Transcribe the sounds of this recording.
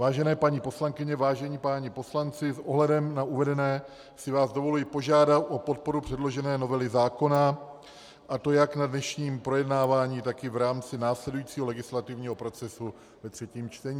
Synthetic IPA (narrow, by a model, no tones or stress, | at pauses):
vaːʒɛnɛːpaɲipo̞slaŋkɪɲɛvaːʒɛɲipaːɲɪpo̞slant͡sɪsʔoɦlɛdɛmnauvɛdɛnɛː | sɪvaːzdo̞vo̞lujɪpo̞ʒaːdat̪ʔo̞po̞t̪̚po̞ɾupr̥ɛdlo̞ʒɛnɛːno̞vɛlɪzaːko̞na | ʔat̪o̞jaknadnɛʃɲiːmpɾo̞jɛdnaːvaːɲiːt̪akɪvɾaːmt͡sɪnaːslɛdujiːt͡siːɦo̞lɛɡɪslat̪ɪvɲiːɦo̞pɾo̞t͡sɛsu | vɛt̪r̝̥ɛciːmt͡ʃt̪ɛɲiː